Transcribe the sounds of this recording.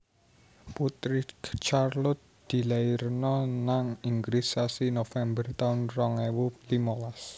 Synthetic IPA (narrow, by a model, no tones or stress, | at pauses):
put̪ɾɪkt͡ʃarlʊt̪̚d̪̥i̤lairnɔnaŋiŋɡɾisasinofɛmbərt̪aʊnrɔŋɛwulimɔlas